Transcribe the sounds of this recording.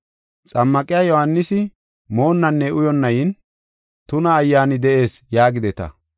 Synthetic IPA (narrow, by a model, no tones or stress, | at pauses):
t͡sʼɐmːɐkʼɪjajɔhɐnːɪsɪ | mo̞ːnːɐnːɛʊjɔnːɐjɪn | t̪ʊnɐːjːaːnɪd̪ɛʔe̞ːsjaːɡɪd̪ɛt̪ɐ̰